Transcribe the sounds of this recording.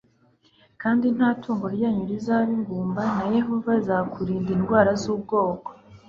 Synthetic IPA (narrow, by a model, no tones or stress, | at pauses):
kaːndin̥haːtuːŋɡo̞ɾjaːɲuɾizaɾiŋɡuːmbanaje̞ɦo̞vazakuɾiːndinɡwaːɾazuːb̚ɡo̞ːko̥